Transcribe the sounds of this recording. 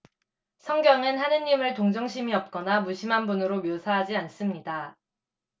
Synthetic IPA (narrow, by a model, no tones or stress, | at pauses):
sʰʌŋɡjʌŋɯnɦanɯnːimɯɭtoŋd͡ʑʌŋɕʰimiʌp̚k͈ʌnamuɕʰimɦanbunɯɾomjosʰaɦad͡ʑians͈ɯmɲida